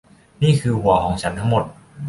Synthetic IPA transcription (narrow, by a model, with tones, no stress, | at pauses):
niː˥˩kʰɯː˧hu˨˩ɐ˦kʰɔː˩˦ŋt͡ɕʰa˦˥nt̪ʰa˦˥ŋmo˨˩t̪̚